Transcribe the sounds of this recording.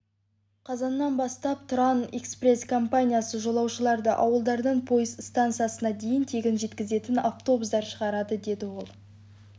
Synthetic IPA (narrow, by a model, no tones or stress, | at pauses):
qʰɑzɑnːɑnbɑst̪ɑp̚t̪ʰʊɾɑnekspre̞skʰompanʲijasəʒo̞lˠɑwʃəlˠɑɾd̪əʔɑwəlˠd̪ɑɾd̪əɴpʰo̞jəzst̪ant̪sɨjasənɑd̪e̞jɪnt̪ʰe̞ɡʲɪnʒe̞t̪kʲɪze̞t̪ɪnaft̪o̞busd̪ɑɾʃəʁɑɾɑd̪əd̪e̞d̪ɪwo̞lˠ